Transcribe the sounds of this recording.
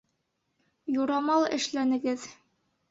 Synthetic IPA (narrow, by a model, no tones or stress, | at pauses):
juɾɑmɑlˠɘ̆ʃlænɘ̆ɡɘð